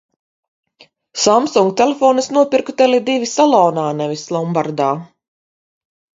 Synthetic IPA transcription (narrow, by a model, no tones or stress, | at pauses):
samsuŋɡ̚t̪ʲɛlefɔːnɨsnuɔpiɾkt̪ɛlʲid̪ivʲisalˠɔːnaːnɛvʲislˠɔmbaɾd̪aː